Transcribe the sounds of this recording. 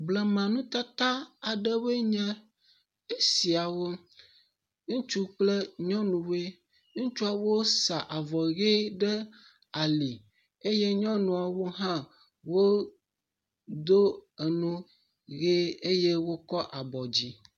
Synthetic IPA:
blɛ˨mã˨nũ˦t̪a˦t̪a˦a˨ɖɛ˦we˦ɲɛ̃˦ | e˦si˨a˨wo˦ | ŋũ˦t͡ʃu˦k͡ple˦ɲɔ̃˦nũ˨we˦ | ŋũ˦t͡ʃu˦a˨wo˦sa˨ʔa˨vɔ˨ɣe˦ɖɛ˦ | a˨li˨ | e˦je˦ɲɔ̃˦nũ˨a˨wo˦ɦã˦ | wo˦ | d̪o˦e˨nũ˦ | ɣe˦e˦je˦wo˦kɔ˦ʔa˨bɔ˨d͡ʑi˦

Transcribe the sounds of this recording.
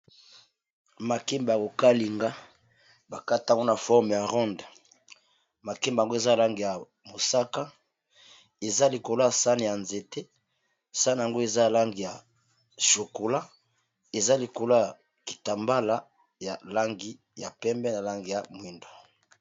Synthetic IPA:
ma˨ke˦mba˨ko˨ka˦li˨ŋɡa˦ | ba˨ka˦ta˨ŋɡo˦na˨fɔ˦ʁm˨ja˨ʁɔ˦nda˨ | ma˨ke˦mba˨ŋɡo˦e˨za˦˨la˦ŋɡi˨ja˨ | mo˨sa˦ka˦ | e˨za˦li˨ko˨la˨sa˦ni˨ja˨nze˨te˦ | sa˦n˨ja˨ŋɡo˦e˨za˦˨la˦ŋɡi˨ja˨ | ʃo˨ko˨la˦ | e˨za˦li˨ko˨la˦a˨ | ki̥˨ta˨mba˦la˦ | ja˨la˦ŋɡi˦ | ja˨pɛ˦mbɛ˦na˨la˦ŋɡi˨ja˨mwi˨ndo˨

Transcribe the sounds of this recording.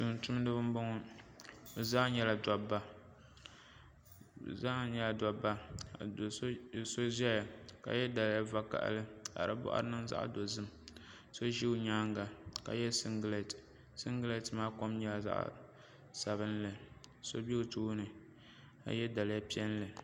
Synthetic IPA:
tu˨ŋ˨tu˦m˦nɨ˦bɨ˦m˦bo˦ŋɔ˦ | bɨ˨zaː˦ɲɛ˦˨la˨dɔ˨bːa˦˨ | zaː˦ɲɛ˦la˨dɔ˨bːa˦˨do˨˦˨so˦ʒɛ˦ja˨ka̰˨jɛ˦da˨lja˦va˦ka̰˨ʔlɨ˦a̰˨ɾɨ̰˦bʊ̰˦ʔa̰˦ɾɨ˦nɨ˦ŋza̰˦ʔdo˨zɨ˦m | so˦ʒi˦ɲaː˦ŋ˦ɡa˨ka̰˨jɛ˦sɨ˦ŋɡle˨t | sɨ˦ŋɡɨ˦le˦˨tɨ˨maː˦ko˦mɲɛ˦la˨za̰˦ʔ | sa˨βɨ˦nlɨ˨so˦bi˦˨tu˦nɨ˨ | a̰˨jɛ˦da˨lja˦pi˦ɛ˦n˦lɨ˨

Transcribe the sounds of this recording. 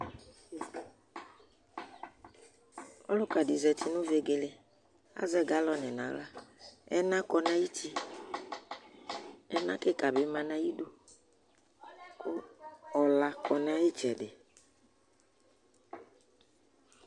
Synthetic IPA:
ɔ̰˦lʊ˦ka˨di˨zɛ˨ti˦nũ˦ve˨ɡe˨le˨ | a̰˦zɛ˦ɡa˦lɔ˦nɛ˨nã˨la˦ɛ̰˦nã˦kɔ˧nã˦ji˦t͡ʃi˦ | ɛ˦nã˦ke˦ka˨bɪ˦mã˨nã˦ji˦do˦ | kʊ˦ɔ˨la˨kɔ˨nã˦ji˦t͡ʃɛ˨dɪ˨

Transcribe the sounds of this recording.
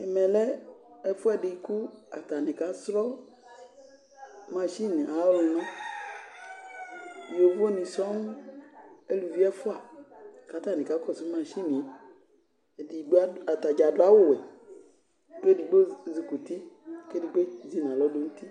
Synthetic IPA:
ɛ˨mɛ˨lɛ˦ɛ˦fu˦a˦˨ɖi˨˦ku˦a̰˨t̪a˨nĩ˨ka˨˦sɾɔ˦ | mã˦ʃi˦nĩ˨ʔa˨˦wlu˨nã˦˨ | jo˨vo˦nĩ˨sɔ˦ŋ˦ | e˦lu˨vi˦ɛ˦fʊ˦a˨ka˨˦t̪a˨nĩ˨ka˨˦kɔ˦˨su˦mã˦ʃi˦mĩ˨ | di˨ɡ͡ba˨t̪a˨d͡ʒa˨dʊ˨˦a˦wʊ˦˨wɛ˨ | ke˦di˨ɡ͡bo˦zi˨ku˨t̪i˦ke˦di˨ɡ͡be˦zi˦n˨ã˨lɔ˦do˨˦ŋ̩ũ˦t̪i˦

